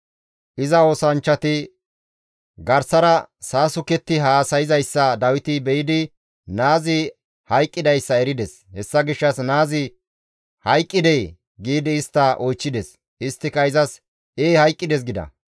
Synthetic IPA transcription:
ʔɪzɐo̞ːsɐnt͡ʃːɐt̪ɪ | ɡɐɾsɐɾɐsaːsʊkɛt̪ːɪɦaːsɐjɪzɐjsːɐd̪ɐwɪt̪ɪbɛjɪd̪ɪ | naːzɪ | hɐjkʼːɪd̪ɐjsːɐɛɾɪd̪ɛs | hɛsːɐɡɪʃːɐsnaːzɪ | hɐjkʼːɪd̪ɛj | ɡiːd̪ɪːst̪ːɐʔɔjt͡ʃːɪd̪ɛs | ɪst̪ːɪkɐɪzɐs | eːhɐjkʼːɪd̪ɛs̬ɡɪd̪ɐ̰

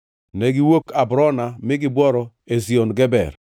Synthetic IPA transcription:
nɛɡɪwokabɾɔnamɪɡɪbwɔɾɔ | ezionɡɛbɛ̰r

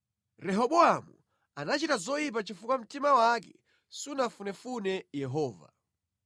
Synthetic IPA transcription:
ɾɛɦɔɓɔamu | anat͡ʃitazɔip̬at͡ʃifukwam̩timawakɛ̰ | sunafunɛfunɛjɛɦɔːva̰

